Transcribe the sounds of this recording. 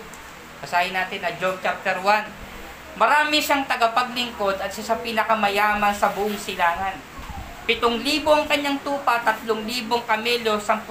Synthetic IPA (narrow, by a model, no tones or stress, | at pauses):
bɐsaːjɪnaːt̪ɪnɐd͡ʒob̚t͡ʃap̚t̪ɛɾwan | mɐɾaːmɪʃaŋt̪ɐɡɐpɐɡlɪŋko̞d̪ɐt̪̚ʃɪsapiːnɐkɐmɐjaːmɐnsɐbʊʔʊŋsɪlaːŋɐn | pɪt̪oŋliːboʔɐŋkɐɲːaŋt̪uːpɐt̪ɐt̪loŋliːboŋkɐmɛːlo̞sɐŋp